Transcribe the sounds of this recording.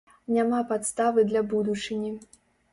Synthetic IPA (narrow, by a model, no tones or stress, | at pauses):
nʲamapat̪st̪avɨd̪lʲabud̪ut͡ʂɨnʲi